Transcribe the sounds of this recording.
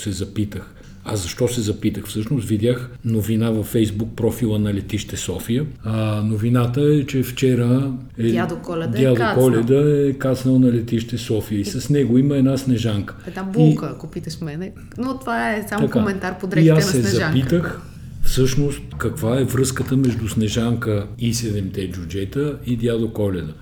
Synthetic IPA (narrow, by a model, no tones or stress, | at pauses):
sɛzɐpit̪əx | a̰zɐʃt̪ɔsɛzɐpit̪əxfsɤʃnost̪vid̪ʲaxnovinavɐfːɛjzbuk̚pɾɔfilˠənɐlɛt̪iʃt̪ɛsɔfijənovinat̪əɛt͡ʃɛft͡ʃɛɾə | ɛad̪okɔlʲɛd̪jad̪okɔlʲɛd̪əɛkasnəlˠnɐlɛt̪iʃt̪ɛsɔfijəisɐsnɛɡoiməɛd̪nasnɛʒaŋkə̥ɛd̪nabuikəɐkopit̪əxmɛnɛ | not̪ovaɛsamɐkaomɛnt̪aɾpod̪ɛiasːɛzɐaŋpit̪əx | fsɤʃnost̪kɐkvaɛvɾɤskət̪əmɛʒd̪usnɛʒaŋkəisɛd̪ɛmt̪ɛd͡ʒud͡ʒɛt̪əid̪jad̪okɔlɛd̪ə